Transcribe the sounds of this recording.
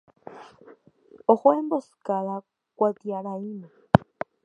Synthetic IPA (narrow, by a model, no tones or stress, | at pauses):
oxwemboskaɾa | kwat̪jaɾaina